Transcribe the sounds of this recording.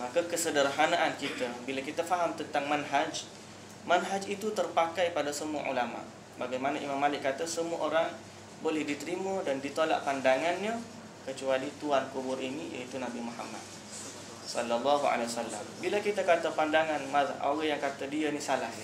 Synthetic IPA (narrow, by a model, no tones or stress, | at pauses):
makəkəsədərɦanaʔankit̪əbilakit̪afaɦamt̪ənt̪aŋmanɦad͡ʒ | manɦad͡ʒit̪ut̪ərpakajpadasəmua̰ʔṵlama̰ʔ | baɡajmanaʔimamːalɪʔkːat̪əsəmua̰ʔoɾaŋ | bolɛhdit̪əɾimədandit̪ola̰ʔpandaŋanɲa | kət͡ʃualit̪uankubʊrinija̰it̪unabimoha̰ma̰d̪̚ | sɔ̰lːalːɔɦua̰lwasalːa̰mbilakit̪akat̪əpandaŋanmao̰ɣajaŋkat̪adiənisalah